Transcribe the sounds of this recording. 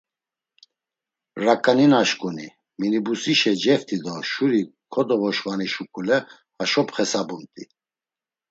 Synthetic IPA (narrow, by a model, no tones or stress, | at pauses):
ɾakʼaninaʃkʼuni | minibusiʃɛd͡ʒɛft̪ʼid̪ɔʃuɾikʰɔd̪ɔvɔʃvaniʃukʰʼulɛ | aʃɔpχɛsabumt̪ʼi